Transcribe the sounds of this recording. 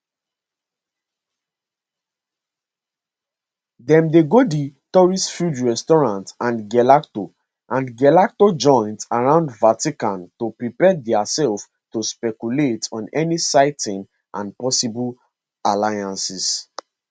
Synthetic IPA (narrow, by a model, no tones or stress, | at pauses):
dɛ̃mdeɡoditɔɹistfudɹɛstɔɹãntãnɡɛlakto | ʔãnɡɛlak̚tod͡ʒɔ̃ɪ̃ntaɹãʊ̃ndvatikãntopɹipɛdɛasɛlf | tospɛkuletɔ̃nɛnisaɪtĩn | ʔã̰npɔsibul | alajãnsis